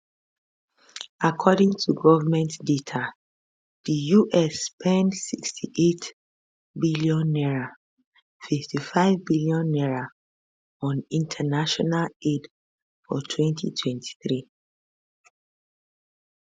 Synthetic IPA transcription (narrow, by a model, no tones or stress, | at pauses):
akʰɔdĩŋtʰuɡɔvamɛ̃ntdetʰa | dijuʔɛspʰɛ̃ndsikstʰiʔet | biliɔ̃nːɛɹa | fiftifaɪvbiliɔ̃nːɛɹa | ɔ̃nĩntʰanaʃɔnaled | fɔtʰwɛ̃ntʰḭtʰwɛ̃ntʰi̥θɹi